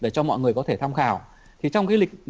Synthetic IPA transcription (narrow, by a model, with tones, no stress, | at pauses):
ɗe˧˩t͡ɕɔ˧mɔ̰˧˨jŋɨ˨˩əjkɔ˨˦t̪ʰe˧˩t̪ʰa˧wŋ͡mxaː˧˩w | t̪ʰi˨˩t͡ɕɔ˧wŋ͡mkaː˨˦jlï˨˩k̟̚